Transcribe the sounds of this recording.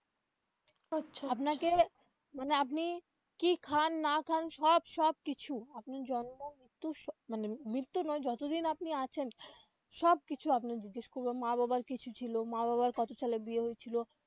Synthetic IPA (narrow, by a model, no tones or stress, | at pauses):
atːʃʰapnake | maneapni | kikʰanːakʰanʃɔbʃɔb̚kit͡ɕʰuap̚naɾd͡ʑɔnmomɾit̪ːuʃmanemɾit̪ːunɔed͡ʑɔt̪od̪inapniat͡ɕʰen | ʃɔb̚kit͡ɕʰuapnad͡ʑiɡːeʃkoɾbamababaɾkit͡ɕʰut͡ɕʰilomababaɾkɔt̪ot͡ɕʰalebieɦojet͡ɕʰilo